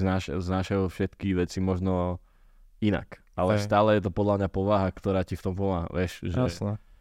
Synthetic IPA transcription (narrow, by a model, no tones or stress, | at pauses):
naːʃɛznaːʃɛɔfʃɛt̪kiɣʋɛt͡simɔʒnɔ | ina̰k | ʔalɛst̪aːlɛjɛt̪̬ɔpɔd̪lamɲapɔʋaɦakt̪ɔɾaːcift̪ɔmpɔmaːɦa̰ʋɛʃʒɛsɛ